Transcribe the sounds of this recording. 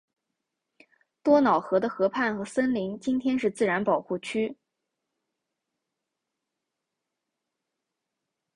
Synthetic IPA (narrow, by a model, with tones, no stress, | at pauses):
t̪wɔ˥nɑ˨˩ʊxɤ˧˥d̪ə˧xɤ˧˥pʰa˥˩nxɤ˧˥sə˥nli˧˥ŋt͡ɕi˥nt̪ʰjɛ˥nʂɻ̩˥˧t͡sɹ̩˥˩ɻa˧˥npɑ˨˩ʊxu˥˩t͡ɕʰy˥